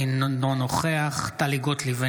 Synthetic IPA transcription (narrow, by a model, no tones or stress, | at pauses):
innonoχeaχt̪aliɡot̪live